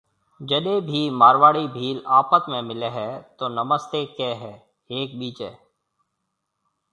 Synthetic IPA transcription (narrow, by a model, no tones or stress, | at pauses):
d͡ʒəɗebʱiːmaːɾʋaːɽibʱiːlaːpət̪mẽmɪleɦɛt̪onɐməst̪ekɛːɦɛː | eːk̚biːt͡ʃɦɛ̰ː